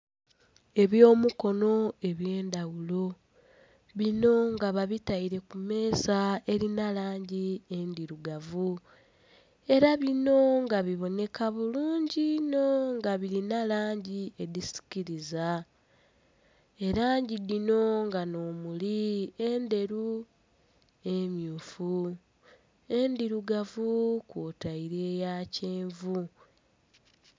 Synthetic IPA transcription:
e̞βjo̞ːmuko̞no̞e̞βje̞ːndawulo̞ | βino̞ŋɡaβaβitaiɾe̞kume̞ːsae̞ɾinalaːɲɟiendiɾuɡavu | e̞ɾaβino̞ŋɡaβiβo̞ne̞kaβuluːɲɟino̞ŋɡaβiɾinalaːɲɟie̞disi̥ciɾiza | e̞ɾaːɲɟidino̞ŋɡano̞ːmuliende̞ɾu | e̞mjuːfu | e̞ndiɾuɡavukwoːtaiɾe̞ːjace̞ːɱvu

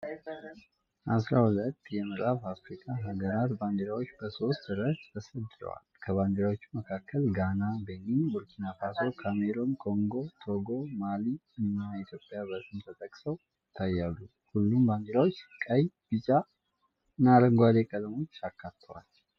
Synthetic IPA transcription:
ʔasɾahulət̪ːjɛməɾafafɾikʼaɦaɡəɾat̪baŋɡeɾawot͡ʃːbəso̞st̪ːɨɾat͡ʃt̪ʰəsəd̪ɨɾə̰wa̰lkʰəβaŋɡeɾawot͡ʃːuməkʰakːəlɡanabeninbuɾkʰinafaso̞kʰameɾo̞nkʼo̞ŋɡo̞t̪ʰo̞ɡo̞maliɨnːait̪ʰjo̞pʼjabət̪ʼɨmt̪ʰət̪ʼəkʼsəw | ɪt̪ʰːajːalːu | hulːumbaŋɡeɾawot͡ʃːkʼəjb̥ɨt͡ʃʼa | ɨnːaɾəŋɡʷad̪ekʼəd̪mo̞t͡ʃːakʰːat̪ʰːəwa̰l

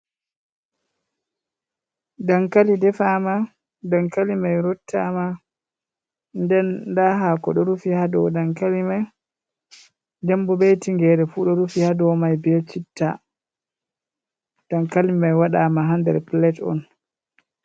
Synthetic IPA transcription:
daŋkalidɛfama | daŋkalimajɾɔtʰːama | ndɛndaɦakɔɗɔɾufihadɔ̰daŋkalimaj | d͡ʒɛmbɔbɛtiŋɡɛɾɛfuɗɔɾufihadɔmajbɛlt͡ʃitʰːa̰ | d̥aŋkalimajwaɗamaɦandɛ̰ɾplɛtɔ̰n

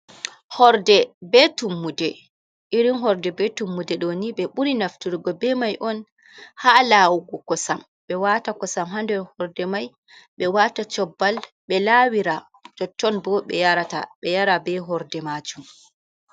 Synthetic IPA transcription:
hɔɾdɛbɛtumːudɛ | ʔiɾinɦɔɾdɛbɛtumːudɛɗoniɓɛɓuɾinaftuɾɡɔbɛmajʔɔn | haːlaːwuɡɔkɔsam | ɓɛwatakɔsamɦandɛɾhɔɾdɛmaj | ɓɛwatat͡ʃɔbːalɓɛlaːwiɾa | d͡ʒɔtːɔnbɔɓɛ̰jaɾata̰ɓɛjaɾabɛɦɔɾdɛmad͡ʒum

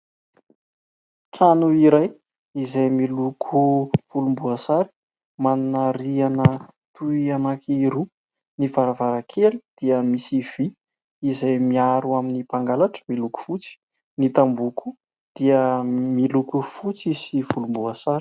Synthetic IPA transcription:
ʈ͡ʂanuiɾaj | izajmilukʰuv̥ulumbuasaɾi̥ | manunaɾianə | t̪uianakʰiɾu | nivaɾavaɾakʰelid̪̥iəmisiv̥i | izajmiaɾuaminipaŋɡalaʈ͡ʂə̥miluku̥fut͡si̥ | nit̪ambukʰu̥ | d̪̥iəmilukufut͡sisiv̥ulumbuasaɾi̥

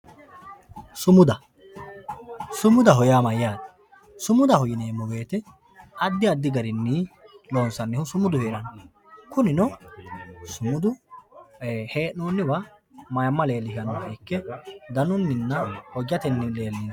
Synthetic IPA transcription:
sʊmʊd̪ɐ | sʊmʊd̪ɐɦɔjaːmɐjaːd̪ɐ̥ | sʊmʊd̪ɐhɔjɪneːmːɔɡe̞ːt̪ɛ | ɐd̪ːɪɐd̪ːɪɡɐɾɪnːiːlo̞ːnsɐnːɪhʊsʊmʊd̪ʊheːɾɐn | kʊnɪnɔ | sʊmʊd̪ʊ | heːnːoːnːɪbɐ | mɐjɐmːɐle̞ːlːɪɦɪɐnɔɐjkːɛd̪ɐnʊnːɪnːɐhɔd͡ʒːɐt̪ɛnːɪle̞ːlːin

